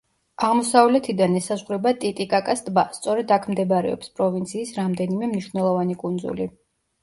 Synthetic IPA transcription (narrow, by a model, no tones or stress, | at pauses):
aʁmɔsavlɛt̪ʰid̪anɛsazʁɾɛbat̪ʼit̪ʼikʼakʼast̪ʼbast̪sʼɔɾɛd̪akʰmd̪ɛbaɾɛ̰ɔ̰pspʼɾɔvint̪sʰiːsɾamd̪ɛnimɛmniʃvnɛlˠɔvanikʼund̪zṵli